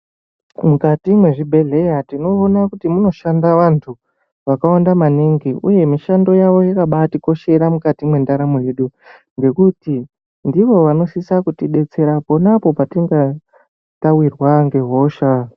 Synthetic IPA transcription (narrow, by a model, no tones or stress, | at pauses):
mukatimwe̞ʐibʱe̞ɮe̞jatino̞ːnakutimuno̞ʃandaʋantʰu | ʋakawandamaniŋɡiṵje̞miʃando̞jaʋo̞jakaɓatiko̞ʃe̞ɾamukatimwe̞ndaɾamojeɗu | ŋɡe̞kuti | ndiʋo̞ʋano̞sisakutiɗe̞t͡se̞ɾapo̞napo̞patiŋɡa | tawirwaŋɡe̞ɦo̞ːʃa